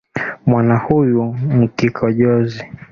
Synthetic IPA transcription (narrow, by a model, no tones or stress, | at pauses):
mwanahujum̩kikʰɔʄɔzi